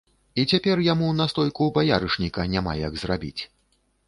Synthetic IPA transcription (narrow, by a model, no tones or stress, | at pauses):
it͡sʲapʲɛrjamunɐst̪ɔjkubajaɾɨʂnʲikɐnʲama̰jaɡzrabʲḭt͡sʲ